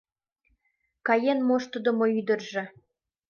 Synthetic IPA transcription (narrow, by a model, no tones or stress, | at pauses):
kɑjenmoʃt̪əd̪ŏmoyd̪ə̆rʒĕ